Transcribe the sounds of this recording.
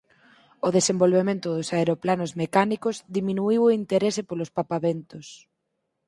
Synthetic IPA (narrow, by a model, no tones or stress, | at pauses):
oðesembolβemẽnt̪ʊðʊsaeɾoplanozmekanikʊzðimĩnuiwoint̪eɾesepolʊspapaβent̪ʊs